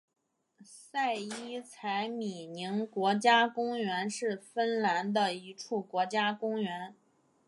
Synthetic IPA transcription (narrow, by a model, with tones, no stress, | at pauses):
sa˥˩ɪi˥t͡sʰa˧˥ɪmi˨˩ni˧˥ŋkwɔ˧˥t͡ɕja˥kʊ˥ŋɥɛ˧˥nʂɻ̩˥˩fə˥nla˧˥nd̪ə˧i˧˥ʈ͡ʂʰu˥˩kwɔ˧˥t͡ɕja˥kʊ˥ŋɥɛ˧˥n